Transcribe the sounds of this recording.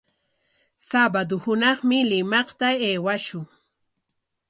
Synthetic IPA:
sabad̪ʊhʊnɑχmɪlɪmɑχt̪aeːwaʃʊŋ

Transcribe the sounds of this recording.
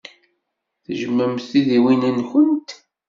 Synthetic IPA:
θəʒəmːəmθiðiwinənçənt̪

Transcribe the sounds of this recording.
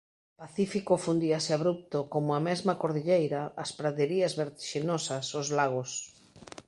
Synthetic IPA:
paθifikofund̪iasɪaβɾup̚t̪okomʊamɛzmɐkoɾðiʎejɾɐːspɾaðeɾiɐzβeɾt̪i̥ʃinosɐsozlaɣ̞os

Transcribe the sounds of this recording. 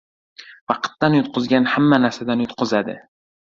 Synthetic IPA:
vɑqʰɨ̥t̪ːanjʊt̪̚qʰʊzɡʲanhamːanaɾsad̪anjʊt̪qʰʊzad̪ɪ̰

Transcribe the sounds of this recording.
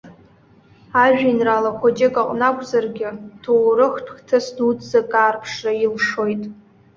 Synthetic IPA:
aʒᶣinralaχʷod͡ʒʼekʼaqʼnakʷʰzarɡʲɪtʰowrɨχtʰχʲtʰasdudzakʼaːrpʰʂrailʂo̞jtʼ

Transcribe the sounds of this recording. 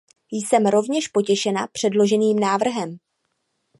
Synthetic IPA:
jsɛmɾo̞vɲɛʃpo̞cɛʃɛnapr̝̥ɛdlo̞ʒɛniːmnaːvr̩ɦɛm

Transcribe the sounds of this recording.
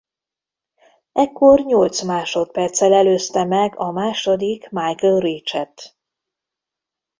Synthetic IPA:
ɛkːo̞rɲo̞lt̪smaːʃo̞t̪̚pɛrt̪sɛlɛløːst̪ɛmɛɡɒmaːʃo̞d̪ikmajkəlriːt͡ʃɛt̪

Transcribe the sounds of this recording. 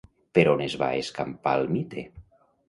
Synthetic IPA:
peɾonezβa̰eskampa̰lmit̪e

